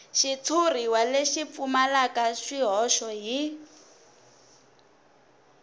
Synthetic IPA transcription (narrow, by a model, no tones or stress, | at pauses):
ʃit͡sʰur̤iwaleʃip̪fumalakaʃiɦɔʃɔɦi